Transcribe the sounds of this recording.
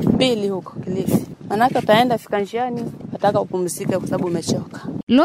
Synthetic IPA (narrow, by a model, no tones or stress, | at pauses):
pilihukɔ̥kilifi̥manakɛutaɛndafi̥kand͡ʒianiatakaupumisikakasaɓumɛt͡ʃɔkḁnɔ